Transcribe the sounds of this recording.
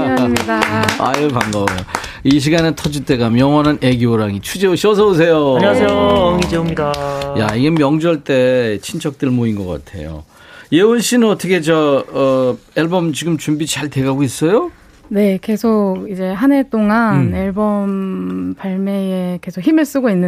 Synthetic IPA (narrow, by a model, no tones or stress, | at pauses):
mɲidaa̰jɯpaŋɡʌbejo | iɕ̬ʰiɡanetʰʌd͡ʑit͈e̞ɡamjʌŋwʌnanʔe̞ɡioɾaŋit͡ɕʰud͡ʑeoɕʰiʌs̬ʰʌos̬ʰe̞joaɲaejoŋid͡ʑeomɲidaja̰iɡe̞mjʌŋd͡ʑʌɭt͈e̞t͡ɕʰint͡ɕʰʌk̚t͈ɯɭmoinɡʌk͈a̰tʰe̞̰jo̰ | jewonɕʰinɯnʌtʰʌkʰe̞t͡ɕʌʌeɭbʌmt͡ɕiɡɯmt͡ɕumbit͡ɕaɭte̞ɡaɡois͈ʌjo | ne̞ke̞sʰokid͡ʑe̞ɦane̞t͈oŋaneɭbʌmpaɭme̞eke̞sʰokʰçimɯɭs͈ɯɡoinːɯ